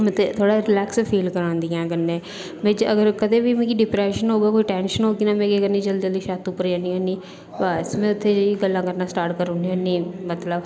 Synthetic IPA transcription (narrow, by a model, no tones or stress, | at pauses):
mət̪ʰːet̪ʰoːɽaːɾɪlɛːkspʰiːlkəɾãːnd̪iːɛ̃ːɡənːẽː | mẽːd͡ʒəɡəɾkəd̪eːbiːmẽːkiɖɪpɾɛːʃənɦoːɡaːkoːiʈɛːnʃənɦoːɡiːnaːmɛ̃ːkiəɡəɾnĩːd͡ʒəld̪iəld̪iːʃaːt̪uːpəɾd͡ʒãːniːɦõːniː | bəsmɛ̃ːʊt̪ʰːeːd͡ʒiɡəlːãːkəɾnaːsʈaːɾʈkəɾʊniɦõːniːmət̪ləb